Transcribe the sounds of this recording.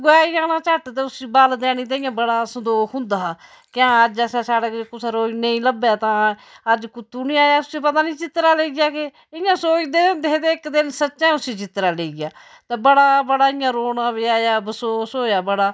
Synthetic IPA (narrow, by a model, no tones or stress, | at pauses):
ɡoaːijãːnãːt͡ʃəʈt̪eːʊsiːbald̪ɛːɽiːt̪̬ãːɪjãːbəɽaːsəd̪oːkʰʊ̃nd̪aː | kɪãːəd͡ʒasaːsaːɽaːekʊsaːɾoːinə̃ĩːləbjaːt̪ãːəd͡ʒkʊt̪ːuːnĩːaːjaːt̪ʊsĩːpət̪aːnĩːt͡ʃɪt̪ɾaːleiɡaːkɪ | ɪjãːsoːid̪ɪd̪ed̪eːɪkd̪ɪnsətːʃãːʊsiːd͡ʒɪt̪ɾaːleiɡaː | t̪eːbəɽaːbəɽaːɪjãːɾoːnãːʋiaːjaːbəsoːsoːjaːbəɽaː